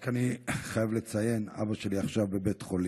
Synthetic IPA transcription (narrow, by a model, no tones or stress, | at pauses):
kaniχajavlet͡saje̞na̰baʃe̞liaχʃavbe̞betχo̞li